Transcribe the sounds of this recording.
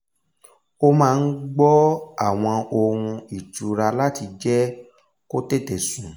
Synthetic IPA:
o˦mãː˦˧n̩˦ɡ͡bɔ˦a˦˨w̃ɔ̃˧o˧ɾ̃ũ˧i˨t͡ʃu˨ɾa˧la˦ti˧d͡ʒɛ˦ | ko˦te˦˨te˨sũ˨

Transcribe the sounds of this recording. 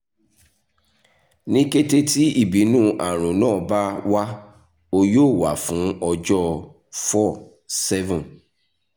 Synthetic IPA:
nĩ˦ke˦te˦ti˦i˦˨bi˨˦nũː˦ʔa˨ɾ̃ũ˨nãː˦˨ba˦wa˦ | o˧joː˦˨wa˨fũ˨˦ɔ˧d͡ʒɔ˦ | fɔ˦˨ | sɛ˦vũ˨n

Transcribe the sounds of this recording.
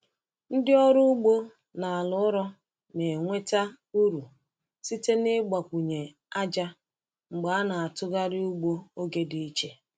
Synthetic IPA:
n̩˦dɪ˦ɔ˦ɾʊ˦u˦ɡ͡bo˦ | na˨a˨lʊ˦ɾɔ˦ | ne˨ŋʷe˦ta˦ | u˦ɾu˨ | si˦te˦nɪ˦ɡ͡ba˨kʷu˨ɲe˨ | a˦d͡ʒa˦ | ŋ͡m̩˨ɡ͡ba˨a˦na˨a˨tʊ˦ɡa˦ɾɪ˦u˦ɡ͡bo˦o˦ɡe˦di˦i˦t͡ʃe˦

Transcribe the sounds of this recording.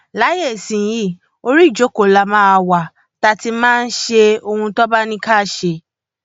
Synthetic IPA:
la˨˦je˦˨sĩ˨ji˦˨ | o˧ɾi˦˨d͡ʒo˨˦ko˨la˧mã˦a˧wa˨ | ta˧ti˧˦mãː˦˧n̩˦ʃe˧o˧hũ˧tɔ˦ba˦nĩ˧ka˦˨ʃe˧

